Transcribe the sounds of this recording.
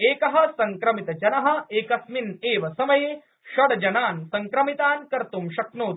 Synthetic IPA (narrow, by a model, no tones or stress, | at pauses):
eːkɐɦɐ̆sɐŋkɾɐmit̪ɐd͡ʒɐnɐɦɐ̆eːkɐsmineːʋɐsɐmɐjeː | ʃɐɽɐd͡ʒɐnaːnsɐŋkɾɐmit̪aːnkɐɾt̪umʃɐknuːt̪